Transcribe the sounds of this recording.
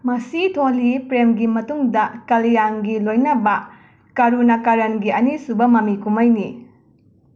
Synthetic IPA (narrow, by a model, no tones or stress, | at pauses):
mɐsitʰolipɾemɡimɐtuŋdɐkɐlijaŋɡilojnɐbɐ | kɐɾunɐkaɾɐnɡiɐnisubɐmɐmikumɐjni